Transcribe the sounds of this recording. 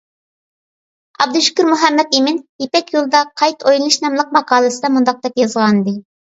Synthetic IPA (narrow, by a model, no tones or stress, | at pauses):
ɑ̰b̚d̪uʃy̥kʲyɾmuɦɛmːɛt̪emɪnjepɛkʲjulˠd̪ɑqʰɑjt̪ʰojlˠɨnɨʃnɑmlˠəq̚mɑqʰɑːlˠɨsɨd̪ɑmund̪ɑq̚d̪ɛpjɑzʁɑnɨd̪ɨ